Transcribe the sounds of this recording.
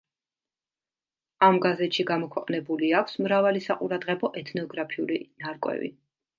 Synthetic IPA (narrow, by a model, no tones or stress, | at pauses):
amɡazɛt̪ʃiɡamɔkʰwɛqʼnɛbuliakʷʰsmɾavalisaqʼuɾad̪ʁɛbɔʔɛt̪ʰnɔɡɾapʰiulinaɾkʼwɛ̰vḭ